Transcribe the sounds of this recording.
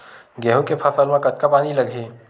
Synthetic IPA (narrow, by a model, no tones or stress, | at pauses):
ɡɛːɦõkepʰafəɾmãkɐt̪̚kapaːnilɐɡʱeː